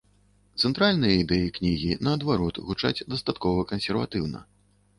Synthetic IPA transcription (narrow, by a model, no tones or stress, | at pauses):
t̪sɛnt̪ɾalʲnɨjɐid̪ɛjiknʲiɣʲinɐːd̪vaɾɔt̪ɣut͡ʂa̰d͡zʲd̪ɐst̪at̪kɔvɐkɐnsʲɛrva̰t̪ɨwnɐ̰